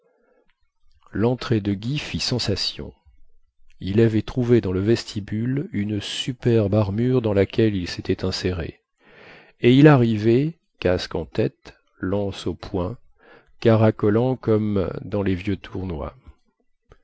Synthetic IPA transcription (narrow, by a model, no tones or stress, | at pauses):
lɑ̃t̪χed̪əɡʲifisɑ̃sasjɔ̰̃ | ilavɛt̪χuved̪ɑ̃ləvɛst̪ʰibylynsypɛʁbaʁmyʁd̪ɑ̃lakʲɛlilset̪ʰɛt̪ɛ̃seʁḛ | eilaʁivɛ | kaskɑ̃t̪ɛt̪ | lɑ̃sopʰwɛ̃ | kaʁakɔlɑ̃kɔmd̪ɑ̃levjøt̪ʰuʁnwa̰